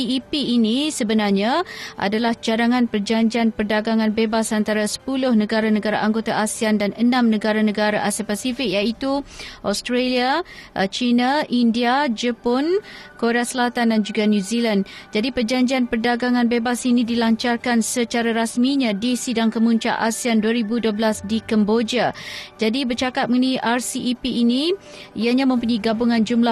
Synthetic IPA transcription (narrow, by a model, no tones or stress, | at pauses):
iipiːnĩsəbənarɲãʔa̰dalaht͡ʃadaŋãnpərd͡ʒaɲd͡ʒianpərdaɡaŋãnbebasant̪aɾasə̥pulʊhnə̃ɡaɾanəɡaɾaʔaŋɡot̪aʔasiandanənãmnəɡaɾanə̃ɡaɾaʔasiapasifik̚jait̪uʔɔst̪ɾaliat͡ʃinaʔindiad͡ʒəpɔnkoɾeasəlat̪andand͡ʒuɡanjuziland͡ʒadipərd͡ʒaɲd͡ʒianpərdaɡaŋãnbebasinidilaɲt͡ʃarkansət͡ʃaɾaɾasmiɲãdisidaŋkəmuɲt͡ʃa̰ʔasianduaɾibuduəblasdikambod͡ʒiad͡ʒadibərt͡ʃakat̪̚məŋəniʔarsiipiʔːnĩ | iaɲãmə̃mpuɲĩɡabuŋãnd͡ʒumla